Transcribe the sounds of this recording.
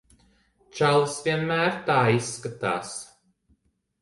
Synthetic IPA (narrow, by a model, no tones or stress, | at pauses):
t͡ʃalˠsvʲiɛnmæːɾt̪aːisːkat̪a̰ːs